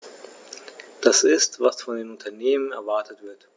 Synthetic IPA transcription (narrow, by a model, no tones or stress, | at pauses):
d̥asɪstv̥asfɔndeːmʊntʰɐneːmənɛ̰ɐvaɐtʰətv̥ɪɐt